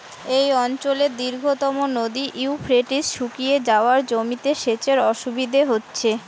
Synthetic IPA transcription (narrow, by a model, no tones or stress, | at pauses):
ejɔnt͡ɕoleɾd̪iɾɡʱot̪ɔmonod̪iʔiufʰɾeʈisʃukijed͡ʑaoaɾd͡ʑomit̪eʃet͡ɕeɾɔʃubid̪ʱeɦotːɕʰe